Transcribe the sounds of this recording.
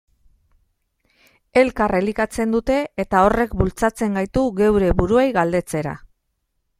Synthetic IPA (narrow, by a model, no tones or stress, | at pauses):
e̞lkarelikat͡se̞nd̪ut̪e̞ːt̪ao̞re̞kbult͡sat͡se̞ŋɡajt̪uɣe̞wɾe̞βuɾuejɣald̪e̞t͡se̞ɾa̰